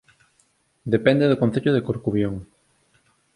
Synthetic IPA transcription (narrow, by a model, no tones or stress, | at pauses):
d̪epɛnd̪eðokõnθeʎoðekoɾkuβjoŋ